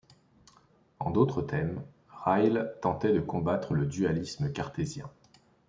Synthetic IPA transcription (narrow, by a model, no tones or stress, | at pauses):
ɑ̰̃d̪ot̪χət̪ʰɛm | ʁajlt̪ɑ̃t̪ɛd̪əkɔ̃bat̪χələd̪yalisməkaʁt̪ezjɛ̃